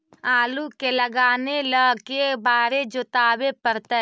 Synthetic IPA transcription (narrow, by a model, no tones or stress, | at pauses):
aːlukeləɡaːneləkebaːɾed͡ʒot̪aːbepəɾt̪ə